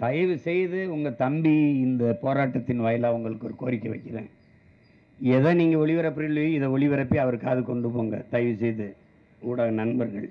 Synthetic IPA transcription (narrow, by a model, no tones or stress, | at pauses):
t̪ɐjʋɯsɛjðɯʊŋɡɐt̪ɐmbiɪnd̪ɐpoːɾaːʈːɐt̪ːɪnʋɐːjɐlaːʊŋɡɐɭɯkːɔɾɯkoːɾɪkːɐʋɐ̰ɪkːɪrḛ̃ː | ɛðɐ̃ːniːŋɡɐɔɭɪʋɐɾɐpːɾɪlːɐjɪðɐɔɭɪʋɐɾɐpːɪɐʋɐɾkaːðɯkɔɳɖɯpoːŋɡɐ̰t̪ɐjʋɯsɛjðɯ | uːɽaːnɐnbɐɾɣɐ̰ɭ